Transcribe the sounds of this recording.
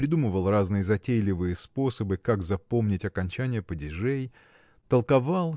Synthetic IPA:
ɾʲɪd̪uməvəlˠraznɨjəzɐtʲejlʲɪvɨjəspo̞səbɨkaɡzɐpo̞mnʲɪtʲɐkɐnʲt͡ɕænʲɪjəpədʲɪʐej | t̪əlˠkɐvalˠ

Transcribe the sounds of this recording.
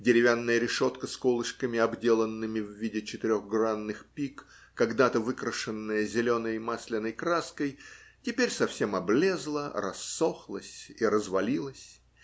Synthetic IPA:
dʲɪɾʲɪvʲanːəjəɾʲɪʂo̞t̪kəskolˠɨʂkəmʲɪɐbdʲe̞lˠənːɨmʲɪvːʲidʲɪt͡ɕɪt̪ɪɾʲo̞ɣɡranːɨxpʲik | kːɐɡd̪at̪əvɨkɾəʂɨnːəjəzʲɪlʲo̞nəjmasʲlʲɪnəjkɾaskəjtʲɪpʲeɾʲsɐfsʲe̞mɐblʲe̞zlˠərɐ̰sːo̞xlˠəsʲiɾəzvɐlʲilˠəsʲ

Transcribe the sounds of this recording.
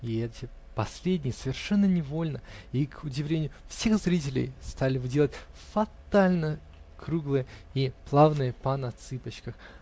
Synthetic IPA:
iɛtʲɪ | pɐsʲlʲedʲnʲɪjəsəvʲɪrʂɛnːənʲɪvo̞lʲnəikʰʊdʲɪvlʲenʲɪjʊfsʲe̞xzɾʲit̬ʲɪlʲɪ̰jst̪alʲɪvɨdʲelˠətʲ | fɐt̪alʲnə | kɾuɡlˠɨjəiplˠavnɨjəpanɐt̪sɨpət͡ɕkəx

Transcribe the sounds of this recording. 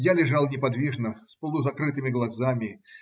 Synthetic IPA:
jalʲɪʐɑlˠnʲɪpɐd̪vʲiʐnəspəlˠʊzɐkɾɨt̪ɨmʲɪɡlˠɐzamʲɪ

